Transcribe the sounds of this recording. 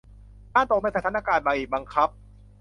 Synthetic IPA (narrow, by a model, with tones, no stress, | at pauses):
taː˥˩nt̪o˨˩k̚na˧˩t̪a˧˥t̪ʰa˧˥naː˥˩kaː˧nbaː˧˩ʔiː˨˩ba˧ŋkʰa˦˥p̚